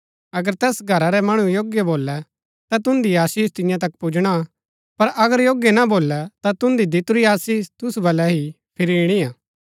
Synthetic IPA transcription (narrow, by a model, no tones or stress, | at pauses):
ɐɡəɾt̪ɛːsɡʱɐɾaɾɛmɐɽ̃ũjoːɡjəboːlɛ | t̪at̪ʊ̃nd̪iaːsiːst̪ɪ̃jãt̪̬ɐkpud͡ʒɽ̃a | pɐɾʔɐɡəɾjoːɡjənaboːlːɛt̪at̪ʊ̃nd̪id̪ɪt̪ʊɾiaːsiːst̪ʊsubɐlɛɦi | pʰɪɾiːɽ̃iaː